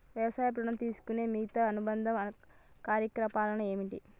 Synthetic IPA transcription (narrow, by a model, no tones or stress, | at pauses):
ʋjɐʋɐsaːjɐp̬ɾuɳɐmt̪iːsu̥kune̞ːmiːt̪ɐɐnubɐnd̪ʱɐmɐɐ | kaːɾjɐkɾɐpaːlɐnɐe̞ːmiɳʈḭ